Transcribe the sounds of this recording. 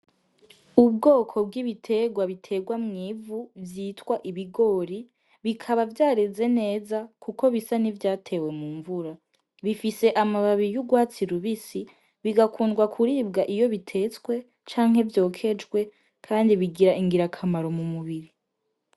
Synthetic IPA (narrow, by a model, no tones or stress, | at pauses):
ub̚ɡo̞ːkʰo̞b̚ɡiβitʰe̞ɡwaβitʰe̞ɡwamŋiːvuvjiːtwaʔiβiɡo̞ːɾi | βikʰaβavjaːɾeze̞ne̞ːzakʰuko̞βisanivjaːtʰe̞ːwe̞muːɱvuɾa | βifise̞ʔamaβaβijuɡwaːt͡siɾuβisi | βiɡakʰuːnɡwakʰuɾiːbɡaʔijo̞βitʰe̞t͡swe̞ | t͡ʃaːŋ̥he̞vjo̞ːkʰe̞d͡ʒɡwe̞ | kʰaːndiβiɡiɾaʔiŋɡiɾakʰamaɾo̞mumuβiɾi